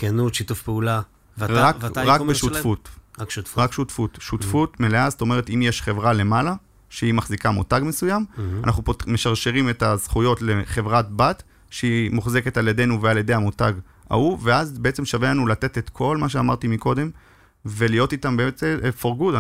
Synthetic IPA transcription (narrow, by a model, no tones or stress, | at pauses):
kenut̪ʃitufpeula | ʁakʁakbeʃufut̪autfʁakʃutfut̪ʃutfutmeleazt̪o̞me̞ʁet̪imjeʃχe̞vʁale̞mala | ʃeimaχzikamotaɡme̞sujama̰naχnupotme̞ʃaʁʃeʁime̞taz̥χujo̞tle̞χe̞vʁat̚bat̪ | ʃeimoχze̞ke̞taljede̞nuvealje̞d̪e̞jhamota̰ɡ | a̰uve̞ʔazbeet͡se̞mʃavelanulat̪e̞te̞t̪kʰo̞lmaʃ̬eamaʁt̪imiko̞de̞m | ve̞lijo̞titambeeteefoʁɡuda